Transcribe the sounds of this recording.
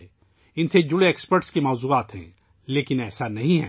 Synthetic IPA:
ɪnsed͡ʒʊɽeeːkspəɾʈskemɔːzuːaːt̪ɦɛ̰̃ː | leːkɪnɛːsanɐɦĩɦɛ̰ː

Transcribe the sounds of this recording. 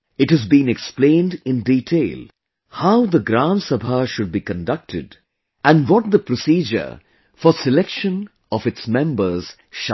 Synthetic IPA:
ɪʈhɨzbĩnɛksplẽːndɪ̃ndiʈʰeɪl | haʊd̪əɡɾãnsəbʱəʃʊɖ̚bikə̃ndʌk̚tʰɪ̰d | æ̃nwɔt̚d̪əpɾosiːd͡ʒə̰ɾ | fɔsɪlɛkʃə̃n | ɔfɨtsmɛ̃mbəz̥ | ʃ

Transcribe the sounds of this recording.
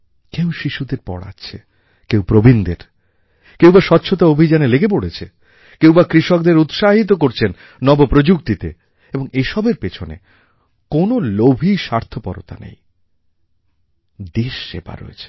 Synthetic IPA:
kewʃiʃud̪eɾpɔ̰ɽa̰t͡ɕʰe | kewpɾobind̪eɾ | kewbaʃɔtːɕʰot̪̬aobʱid͡ʑaneleɡep̬oɽet͡ɕʰe | kewbakɾiʃɔk̚d̪eɾut̪ʃaɦit̪̬ok̬oɾt͡ɕʰenː | ɔbopɾod͡ʑuk̚t̪it̪e | eboŋeʃɔbeɾpet͡ɕʰonḛ | konolobʱiʃaɾt̪ʰopɔɾo̰t̪a̰nḛj | d̪eʃːḛba̰ɾo̰ḛt͡ɕʰe̥

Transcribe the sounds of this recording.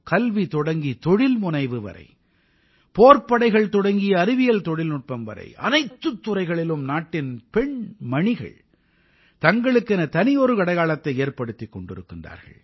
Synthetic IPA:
kɐlʋit̪ɔɽɐŋɡit̪ɔɽɪlmʊnɐɪʋɯʋɐ̰ɾɐ̰ɪ | poːrpɐɽɐɪɣɐɭt̪ɔɽɐŋɡɪjɐːɾɪʋɪjɐlt̪ɔɽɪlnʊʈ̚pɐmʋɐ̰ɾɐ̰ɪʔɐ̰nɐɪt̪ːɯt̪ːʊɾɐɪɣɐɭɪlɯmnaːʈːɪnpɛɳmɐɳɪɣɐ̰ɭ | t̪ɐŋɡɐɭɯkːɛnɐt̪ɐnɪjoɾɯkɐɽɐɪɣaːlɐt̪ːɐɪeːɾpɐɽɯt̪ːikːɔɳɖɪɾɯkːɪndra̰ːɾɣɐ̰ɭ

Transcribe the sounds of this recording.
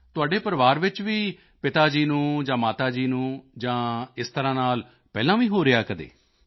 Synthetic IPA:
t̪ʊaːɖeːpəɾʋaːɾʋɪt͡ʃʋiː | pɪt̪aːd͡ʒiːnũːd͡ʒãːmaːt̪aːd͡ʒiːnũːd͡ʒãːɪst̪əɾãːnaːl | pɛːlãːʋiːɦoːɾɪjaːkəd̪ḛː

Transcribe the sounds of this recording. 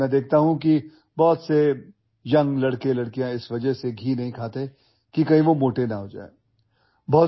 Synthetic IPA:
ɛ̃d̪eːkʰt̪aɦũki | bɔːt̪se | jɐ̃ŋɡlɐɽkelɐɽkijãɪsʋɐd͡ʒəɦseɡʱiːnɐɦĩkʰaːt̪e | kikɐĩʋomoːʈenɐɦoːd͡ʒa̰ːe | bɔɦ

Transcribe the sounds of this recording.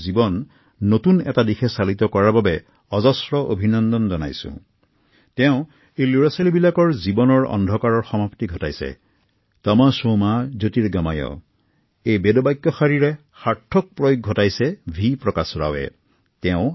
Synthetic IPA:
zibɔnː | otunɛ̰tadixʰɛsalit̪ɔkɔɹababɛ | ɔzɔsɹɔʔo̰bʱinɔnd̪ɔnzɔna̰jsʊ̰̃ | tɛʊ̃ | iluɹasalibilakɔɹzibɔnɔɹɔ̰ndʱɔkaɹɔɹxɔmaptiɡʱɔtajsɛ̰ | tamasomazotiɹɡamajɔ̰ | ejbedɔbajkːjɔxaɹiɹɛ | xaɹtʰːɔk̚pɹojoɡ̚ʱɔtajsɛbʱipɹɔkasɹa̰wɛ̰ | tɛʊ̃

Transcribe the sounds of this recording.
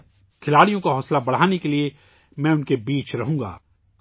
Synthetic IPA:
kʰɪlaːɽijõkaɦɔːslabɐɽ̤aːnekelie | mɛ̃ːʊnkebiːt͡ʃɾɐɦũːŋɡa̰ː

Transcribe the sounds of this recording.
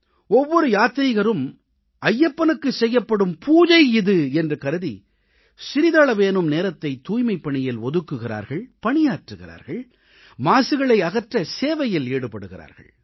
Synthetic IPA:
ɔʋːɔɾɯjaːt̪ɪɾɪɣɐɾɯm | ɐjːɐpːɐnɯkːɯsɛjːɐpːɐɽɯmpʰuːðɐɪɪðɯɛndrɯkɐɾɯðḭ | sɪɾɪðaːɭɐʋeːnɯmneːɾɐt̪ːɐɪt̪ːuːjmɐɪpːɐɳɪjɪlɔðɯkːɯɣɪɾa̰ːɾɣɐɭpɐɳɪjaːʈrɯɣɪɾa̰ːɾɣɐɭ | maːsɯɣɐɭɐɪɐɣɐʈrɐseːʋɐjɪleːɽɯpːɐɽɯɣɪɾa̰ːɾɣɐ̰ɭ

